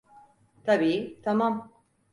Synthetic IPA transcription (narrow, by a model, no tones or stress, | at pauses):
t̪ʰabiːt̪ʰamam